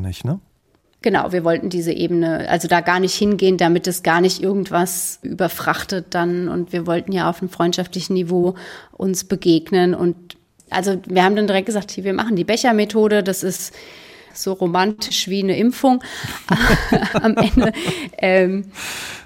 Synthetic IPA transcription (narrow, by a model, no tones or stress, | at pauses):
nɪçnə | ɡ̥əna̰ʊviːɐvɔltn̩diːzəʔḛːbənəʔa̰lzodaːɡaːɐnɪçthɪnɡeːənd̥amɪt̚d̥asɡ̥aːɐnɪçtʔɪɐɡŋ̩tv̥asʔy̰ːbɐfʁ̥aχtət̚d̥anʊ̰ntv̥iːɐvɔltn̩jaːa̰ʊfnəmfʁ̥ɔʏntʃaftlɪçn̩nivoːʔʊnsb̥əɡeːɡnənʔʊ̰nt | ʔa̰lzoviːɐhaːbm̩dandiʁɛk̚t̚ɡəzaːk̚thiːviːɐma̰χn̩diːbɛçɐmetʰoːɾədasɪst | z̥oːʁomantʰɪʃv̥iːnəʔɪmfʊŋʔaamʔɛndəʔɛːm